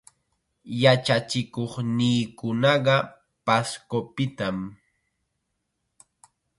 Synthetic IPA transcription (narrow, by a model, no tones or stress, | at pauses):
jat͡ʃat͡ʃɪkoχniːkʊnɑɢɑ | paskopɪt̪am